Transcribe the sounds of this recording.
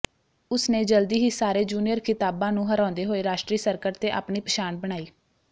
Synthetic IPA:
ʊsneːd͡ʒəld̪iːɦiːsaːɾeːd͡ʒuːnijəɾkʰɪt̪aːbãːnũːɦəɾãːnd̪eːɦoːeːɾaːʃʈɾiːsəɾkəɾt̪eːʔa̰ːpɳiːpəʃaːnbəɽ̃aːiː

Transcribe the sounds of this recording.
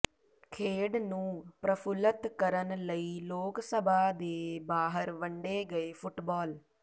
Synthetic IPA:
kʰeːɖnũːpɾəpʰʊlət̪kəɾənləiːloːksəbaːd̪eːbaːɦəɾʋəɳɖeːɡəeːpʰʊʈbɔːl

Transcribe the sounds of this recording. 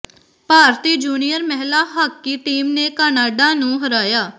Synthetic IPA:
paːɾt̪iːd͡ʒuːnijəɾmɛɦlaːɦəkːiːʈiːmneːkaːnaːɖãːnũːɦəɾaːjaː

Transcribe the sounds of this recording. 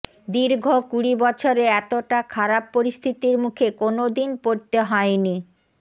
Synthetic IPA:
d̪iɾɡʱokuɽibɔt͡ɕʰoɾeɛt̪oʈakʰaɾapːoɾist̪ʰit̪iɾmukʰekonod̪inpoɾt̪eɦɔeni

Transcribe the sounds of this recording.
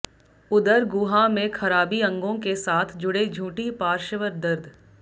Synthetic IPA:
ʊd̪əɾɡʊːɦamẽkʰɐɾaːbiɐ̃ŋɡõkesaːt̪ʰd͡ʒʊɽed͡ʒʱuːʈipaːɾʃəʋəɾd̪əɾd̪ʱ

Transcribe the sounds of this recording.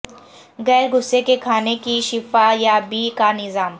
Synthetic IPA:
ɣɛːɾɡʊsːekekʰaːnekiʃɪfajabiːkanɪzaːm

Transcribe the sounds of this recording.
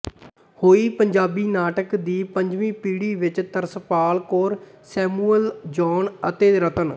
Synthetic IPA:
hoːiːpəɲd͡ʒaːbiːnaːʈəkd̪iːpəɲd͡ʒʋĩːpiːɽiːʋɪt͡ʃt̪əɾsəpaːlkoːɾ | sɛːmuːəld͡ʒɔːnət̪eːɾət̪ən

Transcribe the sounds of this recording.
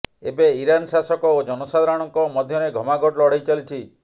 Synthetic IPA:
ebeiɾansasɔkɔod͡ʒɔnosad̪ɾaɽ̃ɔŋkɔmɔd̪ʱjɔneɡʱɔmaɡɔʈlɔɽejt͡ʃalit͡ʃʰi

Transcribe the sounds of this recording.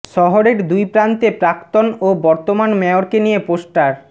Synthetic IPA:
ʃɔɦoɾeɾd̪ujpɾant̪epɾakt̪onobɔɾt̪omanmɛoɾkenijeposʈaɾ

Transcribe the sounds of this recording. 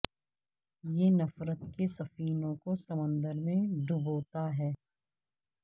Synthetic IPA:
jenɐfɾət̪kesɐfiːnõkosɐmə̃nd̪əɾmẽɖʱʊboːt̪aɦɛː

